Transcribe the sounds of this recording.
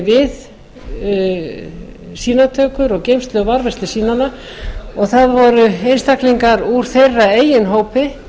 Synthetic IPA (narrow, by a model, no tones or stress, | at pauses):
vɪð | siːnat̪ʰœːkʏɾɔɣcejmst̪lœɣvaɾvɛst̪ɪsiːnana | ɔɣθaðvɔɾʏejnst̪akliŋkaɾuɾ̥θejrːaeːjɪnɦoːwpɪ